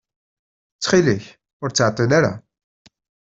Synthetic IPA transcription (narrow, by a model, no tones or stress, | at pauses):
t͡sːχiliç | ʊɾt͡sːəʕt̪ˤːinaɾa̰